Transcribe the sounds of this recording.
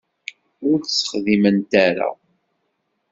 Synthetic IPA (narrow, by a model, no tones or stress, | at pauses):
ʊɾθsːə̥χðimənt̪æɾa̰